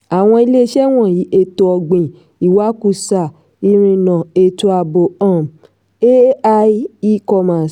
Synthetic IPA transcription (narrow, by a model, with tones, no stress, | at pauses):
a˨w̃ɔ̃˧i˧le˦ʃɛ˦w̃ɔ̃˦˨ji˨˦ʔe˦˨to˧ɔ˧ɡ͡bĩ˨ | i˨wa˨˦ku˧˨sa˨ | i˧ɾ̃ĩ˧nã˨e˨to˧a˨bo˨ã˨m | e˦a˧i˦i˦kɔ˧ma˨s